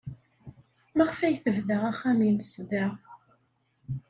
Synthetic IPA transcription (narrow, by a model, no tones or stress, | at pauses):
mæʁfæjθəvðəʁæχæminsðæʁ